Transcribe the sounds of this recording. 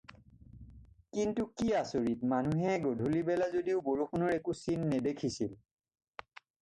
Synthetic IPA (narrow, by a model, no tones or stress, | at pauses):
kintukiasoɹitmanuɦɛɡodʱulibɛlazodiʊboɹuxʰɔnɔɹɛkusinːɛdekʰisil